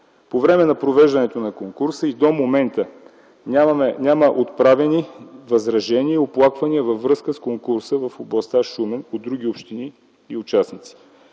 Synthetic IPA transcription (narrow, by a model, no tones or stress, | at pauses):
povɾɛmɛnɐpɾovɛʒd̪ɐnɛt̪onɐkoŋkuɾsəid̪omomɛnt̪ə | aɛnʲaməʔot̪̚pɾavɛnivɐzɾɐʒɛniəioplˠakvɐniəvɐfːɾɤskəskoŋkuɾsəvɐfoblˠɐst̪aʃumɛnod̪̚ɾuɡ̟ʲiopʃt̪ini | iʊt͡ʃasnit̪si̥